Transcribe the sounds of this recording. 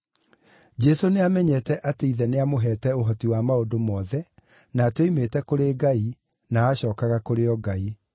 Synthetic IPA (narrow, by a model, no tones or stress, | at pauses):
d͡ʑɛsoneamɛɲɛtɛʔateiðɛneamoɦɛːtɛoɦɔtiwamaodomɔːðɛ | naːtweimetɛkoɾeːɡai | naːɕɔːkaɣakoɾeɔɡai